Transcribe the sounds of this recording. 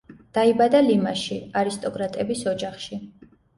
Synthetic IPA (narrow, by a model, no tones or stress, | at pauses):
d̪̥aibad̪alimaʃiaɾist̪ʼɔkʼɾat̪ʼɛbisɔd͡ʒaχʃi